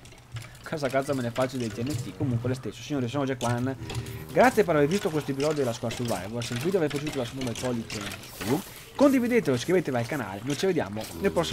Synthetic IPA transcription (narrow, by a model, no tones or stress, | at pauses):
kʰazakat̪zamenɛfat͡ʃiled̪elt̪iɛnːet̪ikːomuŋkwelest̪esːo̥siɲoːɾes̬inoɾd͡ʒekːwanːɡɾat̪sjep̬eɾavervist̪ok̬west̪oep̬izɔːd̪id̪elaskuasuva̰jvasenk̬it̪oaveɾfat͡ʃuuːt̪olasunt̪omd̪epɔlːit̪iɛnːet̪u | kond̪ivid̪et̪eloeskɾivet̪evalkana̰ːlenojt͡ʃived̪ja̰ːmonelpɾɔsːi